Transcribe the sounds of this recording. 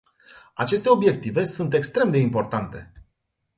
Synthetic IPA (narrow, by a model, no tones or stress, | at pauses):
at͡ʃe̞st̪e̞o̞bje̞k̚t̪ive̞sunt̪e̞kst̪ɾe̞md̪e̞impo̞rt̪ant̪e̞